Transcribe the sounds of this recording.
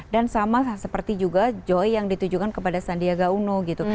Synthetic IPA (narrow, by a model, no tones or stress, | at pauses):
dansamasəpərt̪id͡ʒuɡad͡ʒɔjjaŋdit̪ud͡ʒukankəpadasandiaɡaunoɡit̪u